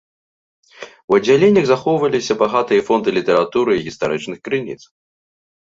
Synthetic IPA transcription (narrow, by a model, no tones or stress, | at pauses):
wɐdd͡zʲːalʲenʲɐɣzaxɔwvɐlʲisʲɐbaɣat̪ɨjɐfɔnd̪ɨlʲit̪ɛɾat̪uɾɨiɣʲist̪aɾɨt͡ʂnɨxkɾɨnʲḭt̪s